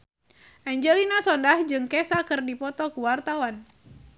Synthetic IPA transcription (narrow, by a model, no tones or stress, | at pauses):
ʔaɲd͡ʒɛlinasɔndahd͡ʒɨŋkɛsakɨrdipɔt̪ɔkuwart̪awan